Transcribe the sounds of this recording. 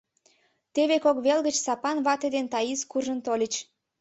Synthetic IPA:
t̪eβekokβelɣət͡ɕsɑpɑnβɑt̪ed̪ent̪ɑjiskuʒənt̪olʲət͡ɕ

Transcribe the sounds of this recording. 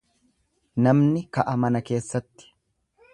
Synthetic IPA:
nɐmnɪkɐʔɐmɐnɐke̞ːsːɐt̪ːɪ̥

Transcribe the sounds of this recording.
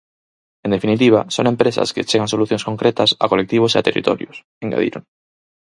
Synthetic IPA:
end̪efinit̪iβ̞aso̰ŋempɾesa̰sket͡ʃeɣansoluθjõskõ̞ŋkɾet̪asa̰kolek̚t̪iβ̞osea̰t̪erḭt̪o̰ɾjos | eŋɡa̰ðḭɾon

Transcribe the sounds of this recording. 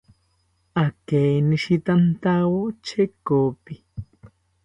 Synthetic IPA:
akeniʃit̪ant̪awot͡ʃekopi

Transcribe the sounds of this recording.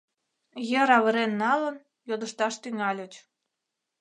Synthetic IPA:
jeɾɑβəɾenːɑlən | jod̪əʃt̪ɑʃt̪yŋɑlʲət͡ɕ

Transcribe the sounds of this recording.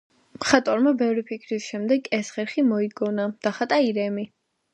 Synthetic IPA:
mχat̪ʼɔɾmabɛvɾipʰikʰɾisʃɛmd̪ɛɡɛsχɛɾχimɔiɡɔnad̪̥aχat̪ʼaiɾɛmi

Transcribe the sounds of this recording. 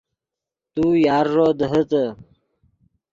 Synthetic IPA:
t̪ujaːɾːoːd̪əɦət̪ə

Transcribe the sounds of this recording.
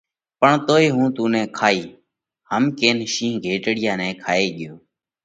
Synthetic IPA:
pəɳt̪oːeːɦũːt̪ũːnɛ̃ːkʰaːiː | ɦəmkeːnʃĩːɡʱeːʈɽɪjãːnɛ̃ːkʰaːeːɠɪjoː

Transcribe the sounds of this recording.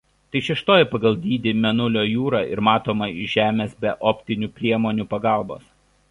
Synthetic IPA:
t̪ɐɪʃʲɛʃt̪oːjɪpɐɡɐlˠd̪ʲiːd̪ʲɪmʲɛnʊlʲoːjuːɾɑːɪ̰ɾmɑːt̪oːmɐɪʒʲæːmʲeːsbʲɛʔɔːpʲt̪ʲɪnʲuːpʲɾʲiɛmoːnʲuːpɐɡɑˑlˠbo̰ːs

